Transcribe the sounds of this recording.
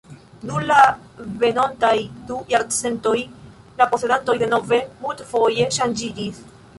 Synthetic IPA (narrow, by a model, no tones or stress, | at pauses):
numla | ve̞no̞ntajdujaɾt͡se̞nto̞j | lapo̞se̞danto̞jde̞no̞ve̞multfo̞je̞ʃand͡ʒid͡ʒis